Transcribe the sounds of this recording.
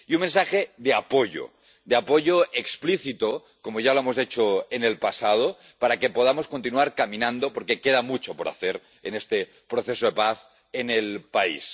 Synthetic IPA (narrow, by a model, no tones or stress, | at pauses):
iunmensaxeðeapoʎo̰ | d̪eapoʝoekspliθit̪o | komoʝaloemozet͡ʃoene̞lpasað̞o | paɾakepoð̞amo̞skont̪inuaɾkamĩnãnd̪opoɾkekeð̞amut͡ʃopoɾa̰θeɾ | enest̪e | pɾoθesoðepaθ | enelpaḭs